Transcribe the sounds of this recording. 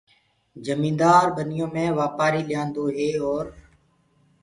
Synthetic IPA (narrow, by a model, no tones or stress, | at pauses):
d͡ʒəmĩːnd̪aːɾɓənɪjõːmẽːʋaːpaːɾiːlɪjãːnd̪oːɦeːɔːɾ